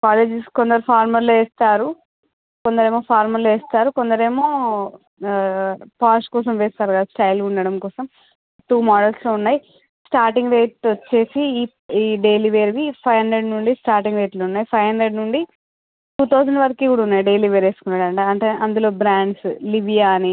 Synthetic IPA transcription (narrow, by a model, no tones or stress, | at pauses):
kaːleːd͡ʒiskond̪ɐɾupʰaːɾmɐɾloeːst̪aːɾu | kond̪ɐɾeːmoːpʰaːɾmɐɾloʋeːst̪aːɾukond̪ɐɾeːmo̞ː | paːʃkɔːsɐmʋɛːst̪aːɾkɐd̪asʈɐjluɳɖɐɽɐmkɔːsɐm | ʈːuːmaːɖɐlsloːunːaːji | sʈaːɾʈiŋɡɾeːʈt͡ʃːe̞ːsiː | iːɖe̞ːliʋeːɾʋipʰɐjɦɐndɾeɖnuɳɖisʈaːɾʈiŋɡɾeːʈluunːaːjipʰɐjɦɐnd̪ɾeɖnuɳɖi | ʈuːt̪ɐwd͡ʒɐɳɖʋɐɾɐkiːkuːɽaːunːaːjiɖe̞jliʋeːɾeːsu̥kunːaːɽɐɳʈeɐɳʈeʔɐnd̪ulo̞ːbɾaːɳɖsliʋijaːni